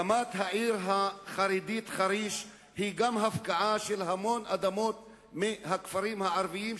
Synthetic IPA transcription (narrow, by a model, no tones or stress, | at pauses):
amat̪ɦaʕiʁɦaχaɾid̪it̪χaɾiʃ | hiɡamɦafkaʕaʃelɦamo̞nʔad̪amot̪̚ | mihakfaɾimhaʕaɾviim